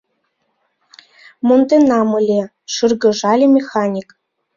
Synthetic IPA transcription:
mont̪enɑmɯlʲe | ʂɯrɡɤ̆ʐɑlʲemʲexɑnʲik

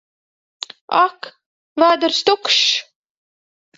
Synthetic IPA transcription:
a̰k | vaːd̪ɨɾst̪ukʃ

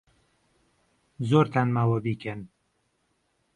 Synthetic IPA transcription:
zoːɾt̪ʰanmaːwɐbiːkʰɛn

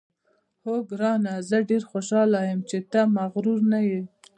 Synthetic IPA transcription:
hoɡɾɑnazəɖeɾxoʃɑlajəmt͡ʃet̪amaɣɾuɾnaji

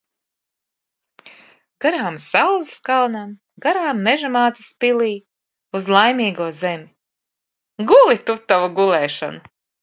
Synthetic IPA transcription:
ɡ̥aɾaːmsawzskalˠnam | ɡ̥aɾaːmːeʒamaːt̪ḁspiliː | uzlˠajmiːɡuɔzemʲi | ɡulˠit̪ut̪ːavuɡulˠɛːʃa̰nu

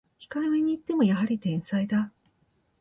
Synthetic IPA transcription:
çʲi̥kaimeɲ̟iːt̪ːe̞mo̞jaɦaɾʲit̪ẽ̞ñsaid̪a

